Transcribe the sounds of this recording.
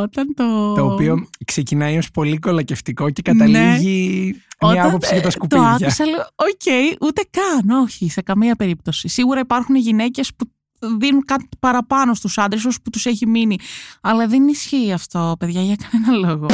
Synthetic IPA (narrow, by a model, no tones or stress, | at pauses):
ot̪ɐnt̪ot̪o̞ːpio̞kse̞cinɐio̞spo̞liko̞lɐce̞ft̪iko̞cekɐnɐliʝimoɐɐppo̞psikɐt̪ɐskupt̪oɐkʝɐusɐleoce̞iʔut̪e̞kɐno̞çise̞kɐmiɐpe̞ɾipt̪o̞sisiɣuɾɐipɐɾxuneʝine̞ce̞spu | ðinunkɐt̪pɐɾɐpɐno̞st̪usɐnd̪ɾesusput̪useçiminiɐlɐðenisçiːɐft̪o̞pe̞ðʝɐʝɐkɐne̞nɐlo̞ɣo̞